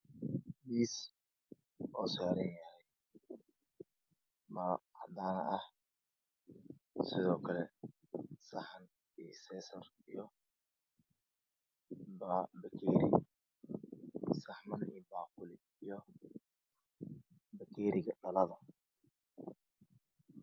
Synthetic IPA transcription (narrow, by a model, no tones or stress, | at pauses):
miːs | ɔːsaːɾɛnjɐɾɛj | mɐhɑ̰d̪aːnɐ̰ʔɐh | sɪðɔːkʰɐlɛ | sɐħɐn | ḭːsɛːsɐr | ijɔ | babɐkʰɛːɾɪ̰ | sɐħmɐnḭːbaːqʊlɪ | ijɔ | bɐkʰɛːɾɪɣɐɗɐlɐðɐ